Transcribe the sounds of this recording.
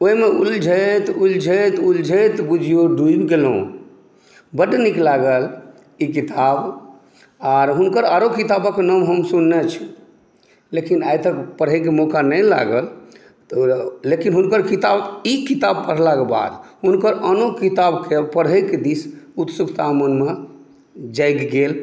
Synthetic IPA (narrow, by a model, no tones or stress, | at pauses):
oimeuld͡ʒʱət̪uld͡ʒʱət̪uld͡ʒʱət̪bud͡ʒʱijoɖuibɡelõ̰ | bəɖniklaɡəl | ikit̪ab | aɾɦunkəɾaɾokit̪abəkenəmɦəmsunːet͡ʃʰi̥ | lekinajt̪əkpəɽ̤ɦekemɔkanəla̰ɡəl | t̪lekinɦunkəɾkit̪abikit̪ab̚pəɽ̤lakeba̰d̪ɦunkəɾənokit̪abkepəɽɦəked̪isut̪sukʰt̪amənme | d͡ʒajkɡel